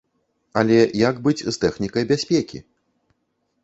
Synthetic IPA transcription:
ɐlʲɛjaɡbɨd͡zʲzt̪ɛxnʲikɐjbʲasʲpʲekʲḭ

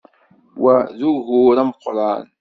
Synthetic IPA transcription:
wazʊɦuːɾˤamqʊɾˤɑːn

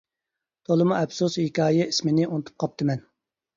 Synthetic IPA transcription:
t̪ʰolˠɨmuɛpsushikʲʰɑːjɛismɪnɪonɨt̪ʰu̥p̚qʰɑp̚t̪ʰɨmɛn

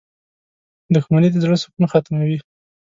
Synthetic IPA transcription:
d̪ʊxmanid̪əzɽəsʊ̥kunxat̪mawi

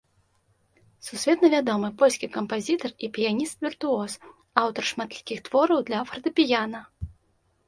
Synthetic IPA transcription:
susʲvʲɛt̪nɐvʲad̪ɔmɨpɔlʲsʲkʲikɐmpazʲit̪ɐripʲijanʲist̪vʲirt̪uɔs | awt̪ɐrʂmat̪lʲi̥kʲixt̪vɔɾɐwd̪lʲɐfɾɐd̪ɨpʲijanɐ

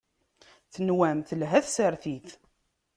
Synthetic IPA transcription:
θənwæmθəlɦæθsəɾθiθ

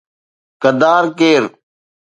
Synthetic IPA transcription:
kəd̪aːɾkeːɾ

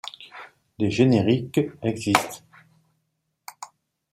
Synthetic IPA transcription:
d̪eʒeneʁikɛɡzist̪

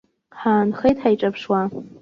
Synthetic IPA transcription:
ħaːnχejtħajʈ͡ʂʼapʰʂwa

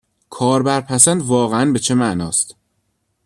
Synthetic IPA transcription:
kʰɒːɾbæɾpʰæsænd̪vɒːɣeænbe̞t͡ʃʰemæʔnɒ̰ːst̪

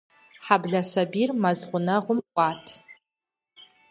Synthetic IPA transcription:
ħabɮɐsɐbirmɐzʁʷʊnɐʁʷʊmkʷʼaːtʰ

